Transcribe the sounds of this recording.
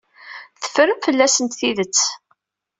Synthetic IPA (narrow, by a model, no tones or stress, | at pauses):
θə̥fɾəmfəlːæsənt̪θiðət͡sː